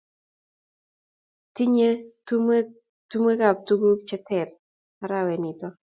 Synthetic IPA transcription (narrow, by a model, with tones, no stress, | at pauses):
ti˦ɲe˦ | tu˦me˦ka˨p̚tu˦ɡu˦t͡ʃɛ˦tɛ˨ɾ | a˦ɾa˦wɛ˨nɪ˨tɔ˦